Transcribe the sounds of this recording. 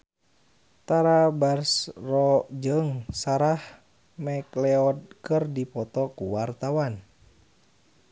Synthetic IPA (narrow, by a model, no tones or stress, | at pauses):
t̪aɾabarsrɔd͡ʒɨŋsaɾah | mɛklɛɔd̚kɨrdipɔt̪ɔkuwart̪awan